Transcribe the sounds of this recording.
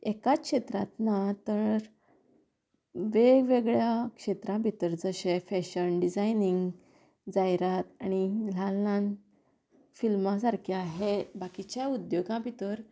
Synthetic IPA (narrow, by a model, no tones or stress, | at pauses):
ekakɕet̪ɾã̰t̪nat̪əɾ | ʋeɡʋeɡɭjakʂet̪ɾãbʱit̪əɾd͡zəɕẽfɛɕənɖid͡zajniŋɡ | d͡zajɾat̪añilalːãn | filmasaɾkʰjaɦebakit͡ɕjaud̪joɡãbʱit̪əɾ